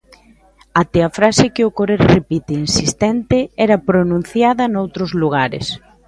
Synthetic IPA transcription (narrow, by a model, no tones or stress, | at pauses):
at̪eɐfɾasɪkɪʊkoɾeɾrepit̪einsist̪ɛnt̪ɪɛɾɐpɾonũn̟θjaðɐnowt̪ɾʊzluɣ̞aɾɪ̰s